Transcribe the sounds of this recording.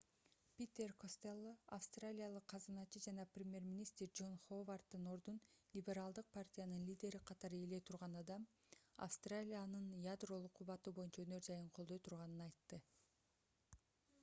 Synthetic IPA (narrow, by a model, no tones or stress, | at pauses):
pʲit̪ʲerkost̪elːˠoafst̪ralʲijalˠɯqʰːɑzɯnɑt͡ʃɯd͡ʒɑnɑprʲɪmʲje̞rmʲinʲist̪rd͡ʒo̞nχovart̪ːɯno̞ɾd̪unlʲibʲe̞ɾalˠd̪ɯq̚pʰartʲijanɯnlʲidʲe̞ɾiqʰɑt̪ɑɾɯele̞t̪ʰuɾʁɑnɑd̪ɑm | ɑ̰fst̪ralʲijanɯnjad̪ro̞lˠuqʰːuβɑt̪ubo̞junt͡ʃɑønø̞ɾd͡ʒɑjɯɴqʰolˠd̪o̞jt̪ʰuɾʁɑnɯnɑjt̪ːɯ